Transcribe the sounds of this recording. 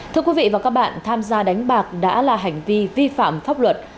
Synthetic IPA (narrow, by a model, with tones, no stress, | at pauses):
t̪ʰɨ˧əkwi˨˦vḭ˧˨vaː˨˩kaː˦˥k̚ɓa̰ː˧˨nt̪ʰaː˧mzaː˧ɗa˨˦jŋ̟ɓaː˨˩k̚ɗa̰ː˧˥laː˨˩ɦa˨˩jŋ̟vi˧vi˧fa̰ː˧˨mfaː˦˥p̚lwə˨˩t̚